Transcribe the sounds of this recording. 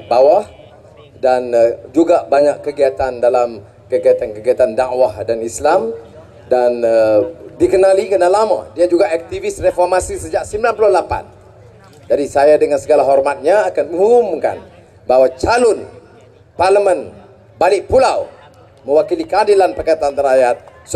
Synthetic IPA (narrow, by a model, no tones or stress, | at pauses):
bawah | dand͡ʒuɡaʔbaɲakkːəɡiat̪andalam | kəɡiat̪ankəɡiat̪andaʔwahdanislam | danədikənalikənalamã̰diad͡ʒuɡaʔɛk̚t̪ivisrefɔrmasisəd͡ʒaʔsəmbilanpuluhlapa̰n | d͡ʒadisajadəŋansəɡalaɦɔrmat̪̚ɲaːkanmə̃ŋumʊmka̰n | bawat͡ʃalʊn | parləmə̃n | balɪʔ̚pulaw | mə̃wakilikəadilanpərkat̪aant̪əɾajat̪̚s